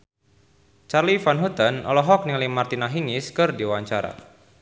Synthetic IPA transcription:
t͡ʃarlifanɦut̪ənɔ̰lɔɦɔk̚niŋlimart̪inaɦiŋiskɨrdiwaɲt͡ʃaɾa̰

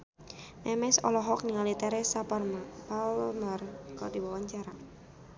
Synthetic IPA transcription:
mɛmɛsɔ̰lɔɦɔkniŋalit̪ɛɾɛsappalmərkɔdiwawaɲt͡ʃaɾa

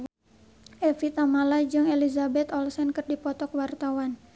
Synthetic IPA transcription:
ʔɛfit̪amalad͡ʒɨŋelizabɛt̪ɔlsɛnkɨrdipɔt̪ɔkwart̪awan

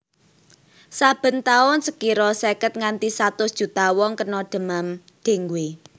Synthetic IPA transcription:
sab̥ə̤nt̪aʊnsəkiɾɔsekət̪̚ŋant̪isat̪ʊsd̥ʒ̥ṳt̪awɔŋkənɔɖ̪̥ə̤mam | d̪̥e̤ŋɡwe

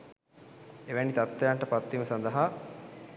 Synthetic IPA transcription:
eʋænit̪at̪ːɐjaɳʈəpat̪ːiməsand̪əɦa

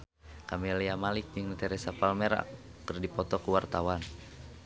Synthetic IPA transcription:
kamɛliamalik̚d͡ʒəŋt̪ɛɾɛsapalmɛɾa̰ | kːərdipɔt̪ɔkuwart̪awan

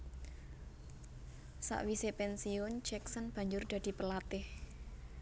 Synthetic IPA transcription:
sa̰ʔwisepɛnsiʊnd͡ʒɛksənb̥ä̤ɲd͡ʒʊrd̪̥a̤d̪̥i̤pəlat̪ɪh

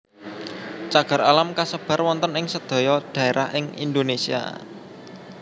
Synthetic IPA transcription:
t͡ʃaɡ̥a̤ɾalamkasəb̥a̤rwɔnt̪ɔnɪŋsəd̪̥o̤jɔd̪̥ä̤eɾʔahɪŋḭnd̪onesia̰

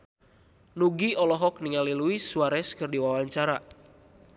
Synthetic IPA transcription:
nuɡiɔlɔɦɔk̚niŋaliluisuaɾɛskɨrdiwawaɲt͡ʃaɾa

